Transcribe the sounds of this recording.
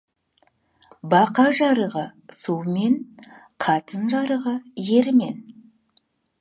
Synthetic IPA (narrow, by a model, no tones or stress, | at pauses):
bɑqɑʒɑɾəʁəsuwme̞n | qʰɑt̪ənʒɑɾəʁəje̞ɾɪme̞̰n